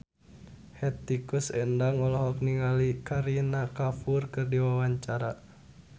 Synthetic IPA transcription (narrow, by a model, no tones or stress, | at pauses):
hɛt̪ikusɛndaŋɔlɔɦɔk̚niŋalikaɾinakafurkɨrdiwawaɲt͡ʃaɾa